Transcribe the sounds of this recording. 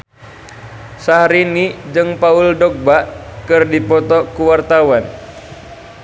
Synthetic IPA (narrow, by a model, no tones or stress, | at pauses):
sahɾinid͡ʒɨŋpauldɔk̚baʔkɨrdipɔt̪ɔkuwart̪awan